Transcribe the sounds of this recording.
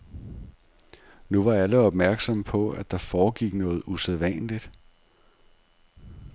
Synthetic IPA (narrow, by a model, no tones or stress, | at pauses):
nuʋɑ̈æləɒ̽b̥mæɐɡ̥sɒ̽mpʰɒ̽æd̥ɑ̈fɒːɡ̥iɡ̥nɔ̽ːð̩ˠuseðˠʋænlid̥